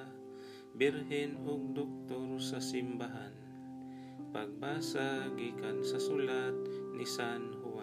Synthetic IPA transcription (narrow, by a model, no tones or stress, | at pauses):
bɛɾɦɛnɦʊɡ̚d̪ok̚t̪oɾsasɪmbaɦan | paɡ̚baːsaɡiːkansasulat̪̚nisanhua